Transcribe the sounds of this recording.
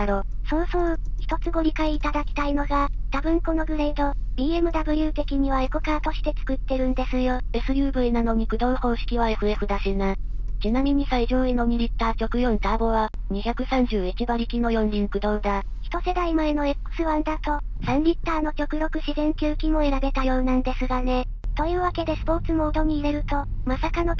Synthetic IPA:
aɾo | so̞ːsoːçʲi̥t̪o̞t͡sɨɡo̞ɾʲikaiːt̪ad̪akʲi̥t̪aino̞ɡad̪̥abɯ̟̃ŋkono̞ɡɯ̟ɾeit̪o̞d̪ʲiːe̞mɯ̟d̪abɯ̟jʲɯ̟ːt̪e̞kʲiɲ̟iβaekokaːt̪o̞ɕi̥t̪e̞t͡sɨ̥kɯ̟t̪ːe̞ɾɯ̟̃nd̪e̞sɨjo̞e̞sɨɾʲjɯ̟ːbɯ̟enano̞ɲ̟ikɯ̟d̪õ̞ɰho̞ːɕi̥kʲiβae̞ɸɯ̟e̞ɸɯ̟d̪aɕinat͡ɕinamʲiɲ̟isaiʑoːeno̞ɲ̟iɾʲit̪ːaːt͡ɕo̞kɯ̟jõ̞nt̪aːbo̞βaɲ̟içʲakɯ̟sãɲ̟d͡ʑɨːit͡ɕibaɾʲikʲino̞jõ̞nɾʲĩŋkɯ̟d̪õ̞ːd̪a | çi̥t̪o̞se̞d̪aimaeno̞ekɯ̥sɨβand̪at̪o̞sãnɾʲit̪ːaːno̞kʲo̞kɯ̟ɾo̞kɯ̟ɕizẽ̞ŋkʲɨːkʲimo̞e̞ɾabe̞t̪ajo̞ːnãnd̪e̞sɨɡane̞ | t̪o̞jɯ̟ːβake̞d̪e̞sɨ̥po̞ːt͡sɨmo̞ɯd̪o̞ɲ̟iːɾe̞ɾɯ̟t̪o̞ | masakano̞

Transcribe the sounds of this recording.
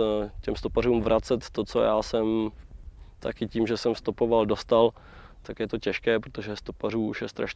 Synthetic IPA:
cɛmst̪oparuːmvɾʔat͡sɛt̪ːot͡so̰jaːsɛm | t̪akɪciːmʒɛsɛmst̪opo̞valdo̞st̪al | t̪akjɛt̪o̞cɛʃkɛːpɾot̪oʒɛst̪oparuːuʃjɛst̪ɾa̰ʃ

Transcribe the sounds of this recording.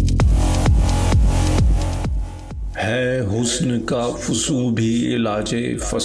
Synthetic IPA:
hɛːɦʊsnkafʊsũbʱiɪ̰laːd͡ʒefɐ

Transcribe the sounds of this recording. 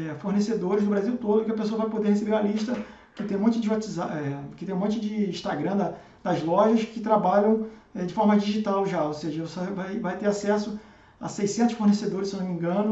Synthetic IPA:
ɛfoɾnesed̪oɾɪzd̪ʊbɾaziwt̪od̪ʊkɪɐpesoɐvajpod̪eɾhesebeɾaliʃt̪ɐ | kɪt̪ẽj̃mõnt͡ʃɪd͡ʒɪat͡ʃiza̰ʔɛkɪt̪ẽj̃ũmõnt͡ʃʊd͡ʒɪĩʃt̪aɡɾɐ̃d̪ɐ | d̪ɐzlɔʒɐʃkɪt̪ɾabaʎɐ̃w̃ɛd͡ʒɪfɔɾmɐd͡ʒiʒit̪awʒaoseʒɐosevajvajt̪eɾasɛsʊ | ɐ̰sejsẽt̪ʊʃfoɾnesed̪oɾɪsewnõmĩɡɐ̃nʊ

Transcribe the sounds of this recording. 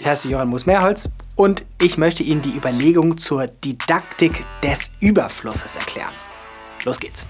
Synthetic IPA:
ʔɪçhaɪsəjoːhanmuːsmɛɐɦɔlt͡s | ʔʊntʔɪçmœçtəʔiːnəndiːʔyːbɐleːɡʊŋt͡suːɐd̥id̥aktɪkd̥ɛsʔyːbɐflʊsə̥sɛ̰ɐkʰl̥ɛ̰ːʁən | loːsɡ̥eːt͡s

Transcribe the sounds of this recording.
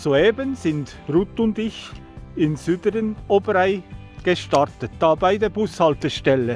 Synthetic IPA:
soeːbənzɪnd | rutʊndɪç | ɪnsyːdəɾənoːbəɾaɪ | ɡ̥əʃtaɾtət̚d̥ɑːbaɪdeːbʊshɑltəʃtɛlə

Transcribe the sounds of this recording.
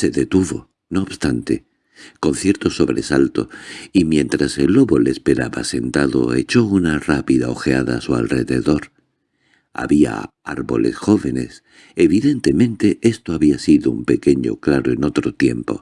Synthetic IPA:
se̞ðe̞t̪uβo̞ | no̞ːβst̪ant̪e̞ | ko̞nθje̞ɾt̪o̞so̞βɾe̞salt̪o̞̰imjẽ̞nt̪ɾase̞lːo̞βo̞lespe̞ɾaβa̰se̞nt̪aðo̞̰e̞t͡ʃo̞unarapiðao̞xeaða̰sua̰lre̞ðe̞ðo̞ɾ | a̰βia̰aɾβo̞̰le̞̰sxo̞βe̞ne̞̰s | eβiðe̞nt̪e̞mẽ̞nt̪e̞e̞st̪o̞aβiasiðoumpe̞ke̞ɲo̞̰klaɾoe̞no̞t̪ɾo̞t̪je̞mpo̞̰

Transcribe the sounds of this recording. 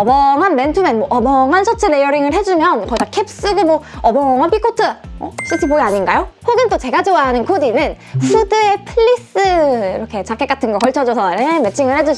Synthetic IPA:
ʌbʌŋɦanmentʰumenmwoʔʌbʌŋɦansʰʌt͡ɕ͈ʰɯɾejʌɾiŋɯɭɦe̞d͡ʑumjʌnkʌidakʰep̚s͈ɯɡɯmʌʌbʌŋɦanpʰikʰotʰɯʌ̰s͈ʰɯtʰipoiaɲinɡajohoɡɯnt͈ot͡ɕe̞ɡad͡ʑowaɦnɯnkʰodinɯn | ɸudɯe̞pʰɯʎːis͈ɯiɾʌkʰe̞t͡ɕak͈ʰːek͈atʰɯnɡʌkʌɭt͡ɕʰʌd͡ʑʌsʰʌneme̞t͡ɕʰiŋɯɭhed͡ʑuɕ

